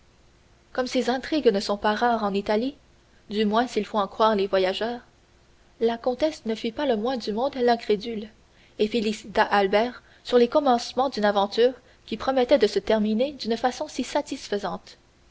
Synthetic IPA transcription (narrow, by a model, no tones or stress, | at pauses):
kɔmsezɛ̃t̪χiɡnəsɔ̃paʁaːʁɑ̃nit̪ali | d̪ymwɛ̃silfoɑ̃kχwaːʁlevwajaʒœːʁ | lakɔ̃t̪ɛsnəfipaləmwɛ̃d̪ymɔ̃d̪lɛ̃kʁed̪yl | efelisit̪aʔalbɛːʁ | syʁlekɔmɑ̃smɑ̃d̪ynavɑ̃t̪yːʁ | kʲipχɔmɛt̪ɛd̪əsət̪ɛʁmined̪ynfasɔ̃sisat̪isfəzɑ̃t̪